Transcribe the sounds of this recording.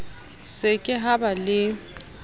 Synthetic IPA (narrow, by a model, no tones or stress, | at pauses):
sɪkʼɪɦabalɪ